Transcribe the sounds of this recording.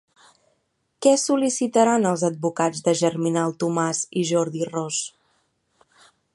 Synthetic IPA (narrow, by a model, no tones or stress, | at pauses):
kɛsulisit̪əɾanəlˠzəd̪̚bukad͡zðəʒəɾminalˠt̪umaziʒɔɾðirɔs